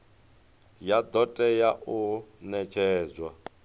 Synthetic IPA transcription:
jad̪ɔtʼɛjaʔunɛt͡ʃʰɛːzwa

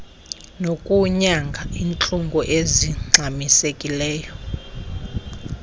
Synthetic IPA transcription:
nokʼuɲaŋɡʱaiːnt͡ɬʼuŋɡʱɔʔeziŋ͡ǀʱamisekʼilɛːjɔ

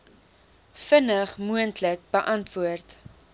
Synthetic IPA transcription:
fənəχmuəntlək̚bəʔɐntvuərt

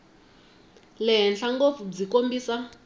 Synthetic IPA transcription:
lɛɦɛnɬaŋɡofud͡zikombiːsa

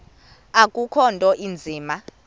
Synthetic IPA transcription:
akʼukʰɔntʼɔʔind͡zʱiːma

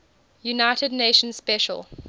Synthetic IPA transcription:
junaɪtədneɪʃə̃nsspɛʃə̰lˠ

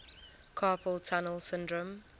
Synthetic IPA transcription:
kʰaːpʰəlˠtʰanəlˠsɪ̃ndɹə̃m

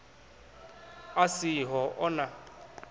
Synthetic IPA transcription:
asiɦɔʔɔna

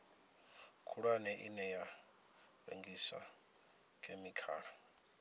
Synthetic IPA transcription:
kʰuɺwanɛʔinɛja | βḛŋɡisa̰ | kʰʼemikʰaːɺa

